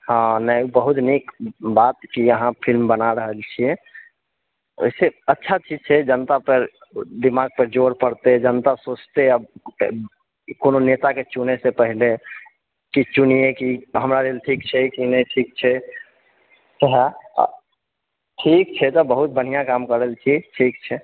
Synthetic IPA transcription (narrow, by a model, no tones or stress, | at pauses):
ɦãnəjbəɦut̪nikbat̪kiəɦãpʰilmbənaɾəɦəlt͡ʃʰie | o̰jseətːʃʰat͡ʃid͡ʒt͡ʃʰɛd͡ʒənt̪apəɾ | d̪imaɡ̚pəɾd͡ʒoɾpəɾt̪ed͡ʒənt̪asot͡ʃt̪eəb | kononet̪aket͡ʃunesepəɦile | kit͡ʃunijekiɦəmɾaɾelʈʰikt͡ʃʰɛkinəiʈʰik̚t͡ʃʰɛ | seɦa̰ | ʈʰik̚t͡ʃʰɛt̪ɔbəɦut̪̚bəɽ̤ijãkamkəɾəlt͡ʃʰiʈʰikt͡ʃʰɛ